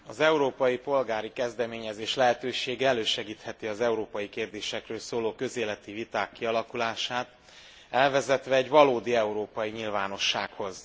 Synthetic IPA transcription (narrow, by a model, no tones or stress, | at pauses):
ɒzɛuɾoːpɒjipo̞lɡaːɾikɛzd̪ɛmeːɲɛzeːʃlɛɦɛt̪øːʃeːɡɛɛløːʃɛɡiːt̪hɛt̪iɒzɛuɾoːpɒjikeːrd̪eːʃɛkrøːlsoːloːkø̞zeːlɛt̪ivit̪aːkːiɒlɒkulaːʃaːt̪ | ɛlvɛzɛt̪ʋɛːɟvɒloːd̪iɛuɾoːpɒjiɲilvaːno̞ʃːa̰ːkho̞z